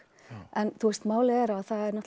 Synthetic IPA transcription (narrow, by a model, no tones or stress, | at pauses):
ʔɛnθʰust̪maːwlɪɛɾaðθaðɛɾnɔht̪